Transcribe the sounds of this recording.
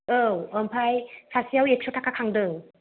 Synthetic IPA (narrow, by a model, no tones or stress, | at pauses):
ɯwəmpʰajsʰasiawepʰsʰotʰakʰakʰaŋdɯŋ